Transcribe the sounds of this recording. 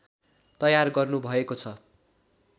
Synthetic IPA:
t̪ʌjarɡʌrnubʱʌekot͡sʰʌ

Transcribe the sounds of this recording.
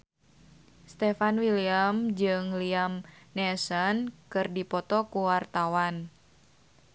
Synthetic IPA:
st̪ɛfanwiliamd͡ʒɨŋliamnɛsɔnkɨrdipɔt̪ɔkuwart̪awan

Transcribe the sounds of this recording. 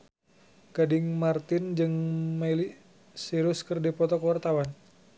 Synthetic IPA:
ɡ̥adɪŋmart̪ɪnd͡ʒɨŋmɛli | siɾʊskərdipɔt̪ɔkəwart̪awan

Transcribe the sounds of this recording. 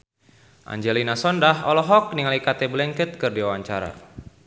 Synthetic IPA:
ʔa̰ɲd͡ʒɛlinasɔndaɦɔlɔɦɔk̚niŋalikat̪ɛblɛŋkət̪̚kɨrdiwawaɲt͡ʃaɾa̰

